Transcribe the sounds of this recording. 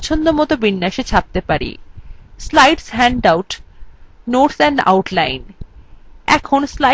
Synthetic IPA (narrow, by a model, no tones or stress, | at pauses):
t͡ɕʰond̪omɔt̪obinːaʃet͡ɕʰap̚t̪epaɾḭslajɖsɦɛɳɖawʈ | noɾsɛɳɖa̰wʈlajn | ɛ̰kʰonsla